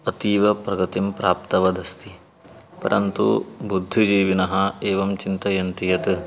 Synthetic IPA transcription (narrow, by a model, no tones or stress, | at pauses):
ɐt̪iːʋɐpɾɐɡɐt̪impɾaːpt̪ɐʋɐd̪ɐst̪i | pɐ̰ɾʔɐnt̪ṵbud̪ʱːid͡ʒiːʋinɐɦɐeːʋɐmt͡ʃint̪ɐjɐnt̪ijɐt̪